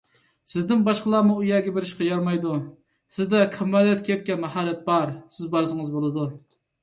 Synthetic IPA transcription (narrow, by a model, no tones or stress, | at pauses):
sɪzd̪ɪnbɑʃqəlˠɑmuujɛːɡʲɛbɪɾɪʃqʰɑjɑɾmɑjd̪u | sɪzd̪ɛqʰəmɛlːɛt̪kʲʰɛt̪̚kʲɛnmɛɦɑːɾɛt̪̚bɑɾsɪzbɑɾsɨŋɨzbolˠɨd̪u